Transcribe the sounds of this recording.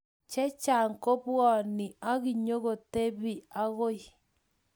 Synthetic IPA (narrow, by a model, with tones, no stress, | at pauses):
t͡ʃɛ˦t͡ʃa˨ŋko˦βwɔ˨ni˨a˦ɣi˨ɲo˦ɣo˨te˦βi˨a˦ɣo˦i˨